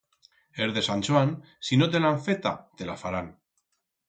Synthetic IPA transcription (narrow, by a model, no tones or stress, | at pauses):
eɾðesanʲt͡ʃuan | sinot̪̬enaɱfet̪a̰d̪̥elafaɾan